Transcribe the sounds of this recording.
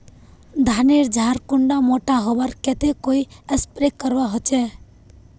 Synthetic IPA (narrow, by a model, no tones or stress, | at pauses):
d̪ʱaneɾd͡ʒʱaɾkʊɳɖamoʈaɦɔbaɾket̪ekoiəspɾekːəɾʋaɦɔt͡ʃe